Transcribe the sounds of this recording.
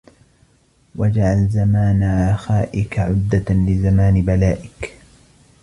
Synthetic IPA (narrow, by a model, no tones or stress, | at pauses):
wad͡ʒaʕalzamaːnaʕaxaːʔɪkaʕʊd̪ːalɪzamaːnɪbalaːʔɪk